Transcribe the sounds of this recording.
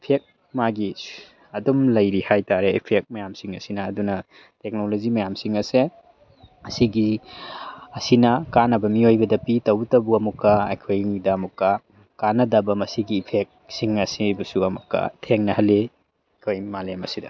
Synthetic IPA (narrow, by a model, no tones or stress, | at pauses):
pʰek̚ | maɡi | ɐdumlɐjɾihajtaɾeipʰek̚mɐjamsiŋɐsinɐːdunɐ | tek̚nolod͡ʒimɐjamsiŋɐse | ɐsiɡi | ɐsinɐkanɐbɐmiojbɐdɐpitɐwtɐbuɐmukːɐɐ̰jkʰojidɐːmukːɐ | kanɐdɐbɐmɐsiɡiːpʰek̚siŋɐsibɐsuɐmukːɐ̰tʰeŋnɐhɐlːe | jkʰojmalemɐsidɐ̰